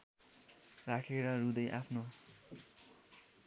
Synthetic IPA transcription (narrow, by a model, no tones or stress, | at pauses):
rakʰeɾʌɾud̪ʌjʔapʰno